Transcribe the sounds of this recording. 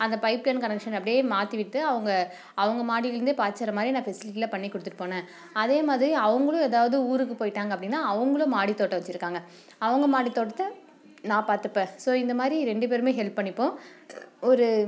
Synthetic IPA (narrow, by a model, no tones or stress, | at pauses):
ɐnd̪ɐpɐɪplɐːnkɐnɛkʂɐnɐpːɐɽɪjeːmaːt̪ɯʋɪʈːɯɐʋɐŋɡɐ | ɐʋɐŋɡɐmaːɽilɪɾɯnd̪ɯpaːt͡ʃːɐɾɐmaːd̪ɾinãːfɛsɪlɪʈːiːlɐpɐɳːikːʊɽɯt̪ːɯʈːɯ̥pːoːnẽː | ɐðeːmaːðɾiɐʋɐŋɡɐɭʊ̃eːðaːʋɐðɯuːɾɯkːɯpoːjɪʈːaːŋɡɐpːɐɽɪnːãːɐʋɐŋɡɐɭʊ̃maːɽit̪ːoːʈːɐʋɐt͡ʃːɪɾɯkːaːŋɡɐ | ɐʋɐŋɡɐmaːɽit̪ːoːʈːɐt̪ːɯ | nãːpaːɾt̪ɯpːẽːsoːɪnd̪ɐmaːðɾiɾɛɳɖɯp̬eːɾɯmeːɦɛlpːɐɳːɪpːõː | ɔɾɯ